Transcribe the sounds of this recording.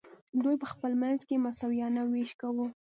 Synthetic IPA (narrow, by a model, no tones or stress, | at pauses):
d̪ujpəxpəlmanzkemasawijɑnaweʃkawu